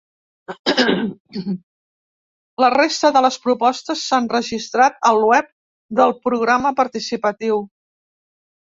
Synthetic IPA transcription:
lərest̪əðələspɾupɔst̪əsːanrəʒist̪ɾat̪̚əlˠwɛp̚ | d̪əlˠpɾuɣ̞ɾaməpəɾt̪isipət̪iw

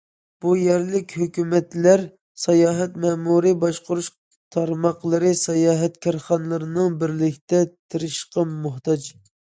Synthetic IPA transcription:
b̥ujɛɾlɪkʲhøkʲymɛt̪læɾ | sɑjɑːɦɛt̪mɛːmuɾɨbɑʃqʊɾuʃ | t̪ʰɑɾmɑqlˠɨɾɨsɑjɑːɦɛt̪kʲʰɑɾχɑnɨlˠɨɾɨnɨŋbɪɾlɪkʰʲt̪ɛt̪ʰɪɾɪʃqɑmːʊht̪ɑd͡ʒ

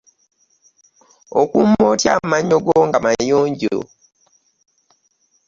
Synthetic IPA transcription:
okumotjamaɲːo̞ɡoŋɡamajoːɲɟo̰

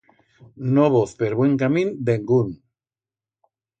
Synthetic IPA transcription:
noβoθpeɾβweŋkamĩnd̪eŋɡun

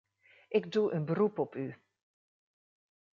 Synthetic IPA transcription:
ʔɪkduʔənbərupɔpy

